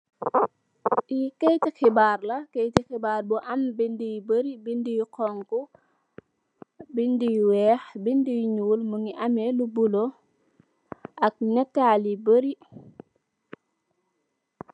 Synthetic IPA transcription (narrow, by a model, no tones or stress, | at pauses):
ʔikɛjtixibaːrlɐkɛjtixibaːrbuʔɐmbindijbəɾibindijqɔŋku | bindijwɛːxbindijɲuːlmuŋiʔɐmɛlubulo | ʔɐk̚nɛtːaːlibəɾi